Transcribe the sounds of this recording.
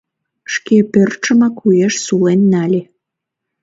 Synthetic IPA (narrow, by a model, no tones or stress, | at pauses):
ʃkepørt͡ʃə̆makujeʃsulenːɑlʲe